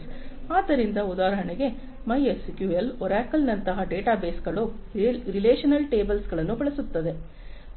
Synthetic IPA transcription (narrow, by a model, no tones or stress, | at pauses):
aːt̪ɐɾɪnd̪ɐʊðaːɾɐɐɳɐje | mɐjeskjuːɛlɔɾaːkːɐlnɐnt̪ɐɣɐɖeːʈaːbeːsɡɐɭoɾɪleːʂɐnɐlʈeːbɐlsɡɐɭɐnɯ̃pɐɭɐsɯt̪ːɐðɯ